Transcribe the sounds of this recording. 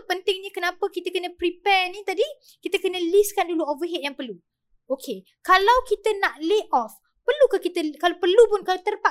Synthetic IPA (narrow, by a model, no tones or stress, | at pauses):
pənt̪ɪŋɲəkənãpəkit̪əkənə̃pɾipɛnit̪adi | kit̪əkənə̃liskanduluɔvəɦɛt̪̚jaŋpərlu | okʰe | kalawkit̪ənaʔleʔɔf | pərlukakit̪əkalapərlupʊnkalat̪ərpa